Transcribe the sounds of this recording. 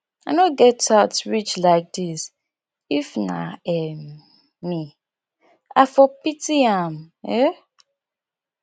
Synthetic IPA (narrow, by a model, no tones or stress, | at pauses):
anõɡɛtaʊtɹit͡ʃlaɪk̚dis | ifna̰ɛmː | i | a̰fɔpitiãmɛ